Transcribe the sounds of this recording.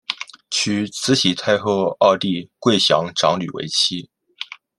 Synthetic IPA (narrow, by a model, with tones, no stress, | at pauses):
t͡ɕʰy˧˩t͡sʰɹ̩˧˥ɕi˧˥t̪ʰa˥˧ɪxo˥˧ʊɑ˥˧ʊt̪i˥˧kwe˥˩ɪɕjɑ̰˧˥ŋʈ͡ʂɑ˧˥ŋly̰˨˩wḛ˧˥ɪt͡ɕʰi˥